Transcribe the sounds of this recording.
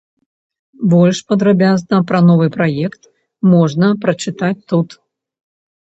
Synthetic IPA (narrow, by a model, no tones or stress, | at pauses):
bɔlʲʂpɐd̪ɾabʲaznɐpɾɐnɔvɨpɾajɛkt̪ | mɔʐnɐpɾɐt͡ʂɨt̪at͡sʲt̪ut̪